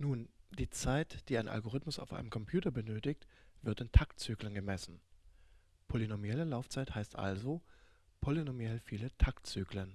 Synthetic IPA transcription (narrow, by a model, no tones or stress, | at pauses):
nuːnd̥iːt͡saɪtd̥iːaɪnʔa̰lɡoʁ̞ɪtmʊsa̰ʊfʔa̰ɪnəmkʰɔmpʰj̥uːtɐbənøːtɪçtv̥ɪɐtɪntʰak̚tt͡syːklənɡəmɛsn̩ | pʰolinomjɛləlaʊft͡saɪthaɪstʔa̰lzopʰolinomjɛlfiːlətʰak̚tt͡syːklən